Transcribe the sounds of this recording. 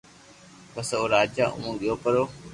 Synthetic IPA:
ɓəsoːɾaːd͡ʒaːʔʊ̰mũːɠɪjoːkəɾoː

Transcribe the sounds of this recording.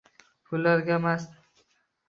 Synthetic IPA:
pʰʊlːaɾɡʲamas

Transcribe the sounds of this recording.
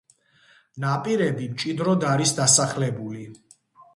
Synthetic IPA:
napʼiɾɛbimt͡ʃʼid̪ɾɔd̪aɾisd̪asaχlɛbuli

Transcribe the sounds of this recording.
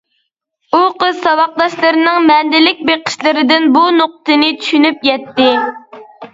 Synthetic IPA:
uqəzsɑwɑq̚d̪ɑʃlˠɨɾɨnɨŋmɛnd̪ɪlɪk̚ʲbeqʰɪ̥ʃlˠɨɾɪd̪ɪnbunoq̚t̪ɨnɪt̪ʰy̥ʃynypjɛt̪ːɪ

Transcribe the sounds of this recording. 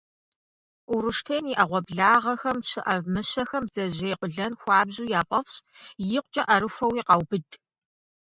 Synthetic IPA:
ʊɾɨʂtʰejniʔɐʁʷɔbɮaːʁɐxɐmɕʰɨʔɐvmɨɕɐxɐmzɐʑejqʷʊɮɐnxʷɑːbʑuːjaːpʼɐfɕ | jɪqʷt͡ʃʼɐʔɐɾɨfʷɐwiːqɑwb̥ɨdʰʼ

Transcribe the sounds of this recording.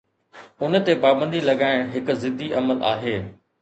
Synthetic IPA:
ʊnə̆t̪epaːbə̃nd̪ʱilɐɠaːɪɽ̃ɦɪk̆zɪd̪ʱiʔɐməlʔa̰ːɦeː

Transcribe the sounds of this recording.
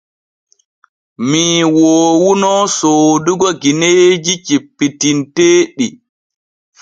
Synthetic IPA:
miwoːwunɔsoːduɡɔɡined͡ʒit͡ʃipːitinteːɗi

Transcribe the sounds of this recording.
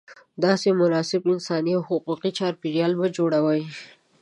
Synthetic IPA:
d̪ɑsemʊnɑsɪbɪnsɑniawhʊquqit͡ʃɑɾpiɾijɑlbad͡ʒoɽawəj

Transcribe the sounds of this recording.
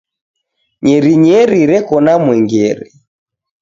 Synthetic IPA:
ɲɛɾiɲɛɾiɾɛkɔnamwɛŋɡɛɾɛ

